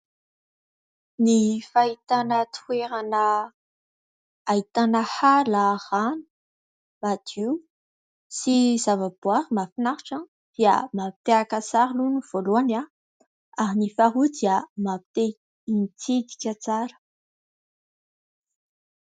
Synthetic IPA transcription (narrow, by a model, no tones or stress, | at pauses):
nifait̪anət̪weɾanə | ait̪anəhalaʁanu̥ | mad̪̥i | siz̥avab̥waɾimafinaɾiʈ͡ʂan | d̪̥iə̰mapi̥t̪eakasaɾiluniv̥oluana | aɾinifaɦud̪iamapi̥t̪e | int͡sid̪i̥kʲat͡saɾə̥